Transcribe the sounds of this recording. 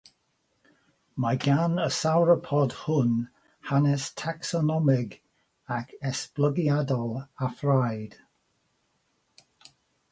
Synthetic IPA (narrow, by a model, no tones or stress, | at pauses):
maɡanəsawɹəpʰɔd̥hʊn | hanɛstʰaksɔnɔmɪɡ | akʰɛspləɡiadɔlˠafɹajd̥